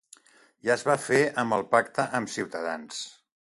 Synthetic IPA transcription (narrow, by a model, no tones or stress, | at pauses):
ʒaəzβafeəmbəlˠpakt̪əʔəmsiwt̪əða̰ns